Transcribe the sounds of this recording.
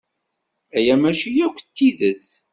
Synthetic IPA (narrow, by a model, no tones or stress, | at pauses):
æjæmæʃijækʷːt̪ːiðət͡sː